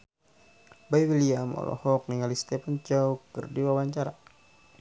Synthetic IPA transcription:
baiwiliamɔ̰lʔɔ̰hɔk̚niŋalist̪ɛpant͡ʃaukɨrdiwawaɲt͡ʃaɾa

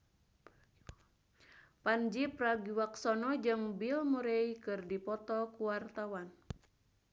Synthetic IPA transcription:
pand͡ʒipraɡiwaksɔnɔd͡ʒɨŋbilmuɾɛikɨrdipɔt̪ɔkuwart̪awan

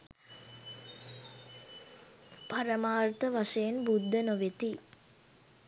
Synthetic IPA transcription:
paɾəmaːrt̪əʋaʂəjenbud̪ːənoʋet̪i

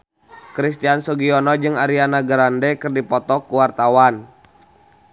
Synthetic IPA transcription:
kɾist̪iansɔɡiɔnɔd͡ʒɨŋaɾianaɡɾandɛkɨrdipɔt̪ɔkuwart̪awan

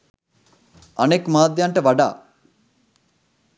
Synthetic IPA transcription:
ɐneːkmaːd̪jaɳʈɐʋɐɖa̰ː

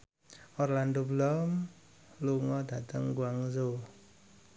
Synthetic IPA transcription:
ɔrlandoblɔm | luŋɔdat̪əŋɡuaŋzo

